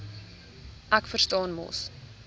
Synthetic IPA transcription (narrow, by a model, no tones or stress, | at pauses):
ʔækfərstɑːnmɔ̰s